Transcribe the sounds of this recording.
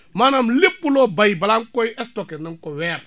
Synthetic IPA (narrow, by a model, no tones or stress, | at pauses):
manamlipːulobajibalaŋkojɛstokeniŋkowɛɾ